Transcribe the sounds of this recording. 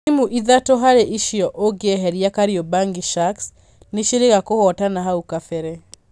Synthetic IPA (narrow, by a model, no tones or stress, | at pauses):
imuʔiðatɔɦaɾeʔiʃiɔʔoɡeɛɦɛɾiakaɾiɔbaŋɡiʃaks | neʃiɾeɣakohɔtanaɦaukafɛɾɛ